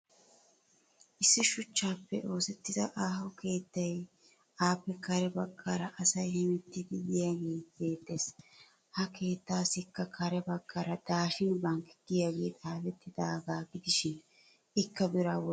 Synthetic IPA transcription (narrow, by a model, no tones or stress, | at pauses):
ʔɪsːɪʃʊt͡ʃːaːpːɛ̰ʔo̞ːsɛt̪ːɪzɐʔaːhɔke̞ːt̪ːɐj | aːpːɛkɐɾɛbɐɡːɐɾɐʔɐsɐjhɪmɛt̪ːɪd̪ɪdɪjaɡeːbe̞ːt̪ːe̞ːs | hɐke̞ːt̪ːaːsɪkːɐkʰɐɾɛbɐɡːɐɾɐd̪̥aːʃɪnbɐŋkɪ̥ɡ̥ɪjaːɡe̞̰ːt̪ʼaːfɛt̪ːɪd̪aːɡaːɡɪd̪ɪʃɪn | ɪkːɐbɪɾaw